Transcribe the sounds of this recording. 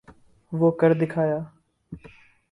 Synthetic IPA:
ʋoːkəɾd̪ɪkʰaːjaː

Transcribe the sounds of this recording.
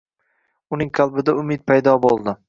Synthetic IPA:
ʊnɪŋqʰɑlˠbɪd̪aʊmɪt̪̚pʰajd̪ɒbolˠd̪ɪ

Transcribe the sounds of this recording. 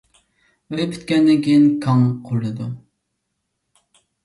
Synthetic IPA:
pʰy̥t̪̚kʲɛnːɪŋkʲʰiinkʰɑŋqʰʊɾːˠɨd̪u

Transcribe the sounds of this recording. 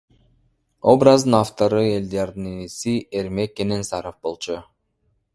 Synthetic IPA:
o̞brazd̪ɯnaft̪oɾɯe̞ld̪eɑɾd̪ɯnenesieɾme̞kːenensɑɾofbo̞lˠt͡ʃʰu

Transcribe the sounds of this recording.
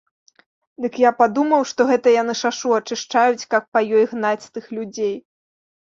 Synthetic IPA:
d̪ɨkjapad̪umɐwʂt̪ɔɣɛt̪ɐjanɨʂaʂuɐt͡ʂɨʂt͡ʂajut͡sʲkapːɐjɔjɣnat͡sʲst̪ɨxlʲud͡zʲej

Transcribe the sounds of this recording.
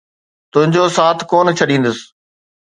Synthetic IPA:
t̪ʊɦɪ̃ɲd͡ʑoːsaːt̪ʰkoːnt͡ɕʰɐɗĩːn̆d̪əsɪ̥

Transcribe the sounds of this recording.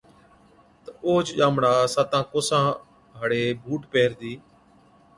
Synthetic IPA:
t̪əoːt͡ʃʄaːmɳaːsaːt̪ãːkoːsãː | ɦəɽeːbʱuːʈpeːɾd̪iː

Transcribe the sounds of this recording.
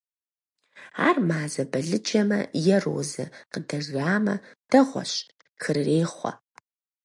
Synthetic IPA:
a̰ːrmaːzɐbɐɮɨd͡ʒɐmɐ̰jɛro̰ːzɐ̰qədɐʒʷaːmɐd̥ɐʁʷɔ̰ɕ | xɨrreːχʷɐ̰

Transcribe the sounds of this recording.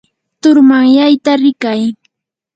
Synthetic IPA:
t̪ʊɾmaŋjajt̪aɾɪkaj

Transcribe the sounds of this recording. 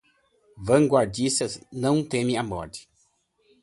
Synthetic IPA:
vɐ̃ŋɡwaɾd͡ʒisɐznɐ̃w̃t̪ẽmiamɔɾd͡ʒi̥

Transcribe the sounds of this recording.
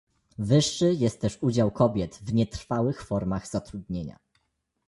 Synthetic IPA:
vɘʂːɘjɛst̪̚ːɛʂud͡ʑawkʰɔbʲjɛt̪vɲɛt̪ɾfawɘxfɔɾmaɣz̥at̪ɾud̪ɲeɲa̰

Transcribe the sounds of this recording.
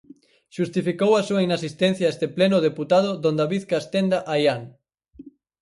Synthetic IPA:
ʃust̪ifikowasuainasist̪ɛn̟θjaest̪eplenʊðeput̪aðʊðõnd̪aβiðkast̪end̪aʔajaŋ

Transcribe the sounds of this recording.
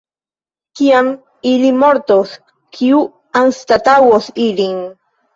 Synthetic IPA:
kiam | ilimoɾt̪os | kʰiu | anst̪at̪awosiliŋ

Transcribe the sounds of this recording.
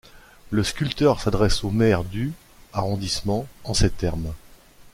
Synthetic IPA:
ləskʲylt̪œʁsad̪ʁɛsomɛʁd̪y | aʁɔ̃d̪ismɑ̃ɑ̃set̪ɛʁm

